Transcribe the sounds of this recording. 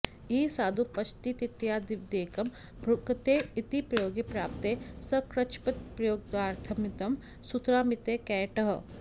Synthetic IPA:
isaːd̪upɐt͡ʃʰt̪it̪it̪jaːd̪ɪʋd̪eːkɐm | bʱɾʊkt̪eːit̪ipɾɐjoːɡipɾaːpt̪eːsɐkɾɐt͡ʃpɐt̪̚pɾɐjoːɡ̚d̪aːɾt̪ʰɐmɪt̪ɐm | sut̪ɾaːmɪt̪eːkɛːʈɐɦ

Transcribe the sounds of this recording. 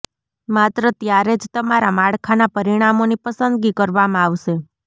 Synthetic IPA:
mat̪ɾət̪jaɾed͡ʒt̪əmaɾamaɭkʰanapəɾiɽ̃amonipəsənd̪ɡikəɾʋamãaʋʃe

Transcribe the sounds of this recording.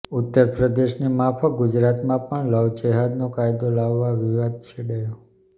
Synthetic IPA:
ut̪ːəɾpɾəd̪eʃnimapʰəɡud͡ʒɾat̪mãpəɳləʋd͡ʒeɦad̪nõkajd̪olaʋːaʋiʋad̪̚t͡ʃʰeɽəjo

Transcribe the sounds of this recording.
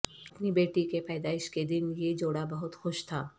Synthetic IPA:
ɐpnibeːʈikepɛɪd̪aːɪʃked̪ɪnjed͡ʒoːɽabɐɦʊt̪xoʃt̪ʰaː

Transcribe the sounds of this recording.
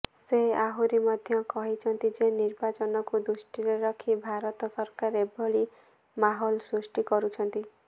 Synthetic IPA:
seaɦuɾimɔd̪ʱjɔkɔɦit͡ʃʰɔnt̪id͡ʒeniɾbat͡ʃɔnɔkud̪ɾusʈiɾeɾɔkʰibʱaɾɔt̪ɔsɔɾkaɾebɔɭi | maɦɔlsɾusʈikɔɾut͡ʃʰɔnt̪i

